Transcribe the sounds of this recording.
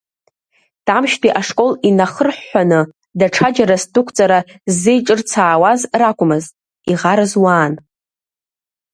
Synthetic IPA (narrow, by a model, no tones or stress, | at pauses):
d̥amʃtʰʼiʔaʂkʼo̞linaχərħːʷanɨ | daʈ͡ʂʰad͡ʒaɾastukʷʰt͡sʼaɾazːejʈ͡ʂʼɨrt͡sʰaːwazrakʷʼʊmɨztʼ | iʁaɾɨzwaːn